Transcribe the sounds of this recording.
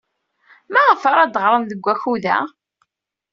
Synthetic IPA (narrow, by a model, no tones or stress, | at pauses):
mæʁəfaɾˤad̪ʁɾˤənðəɡʷːæçuðæ̰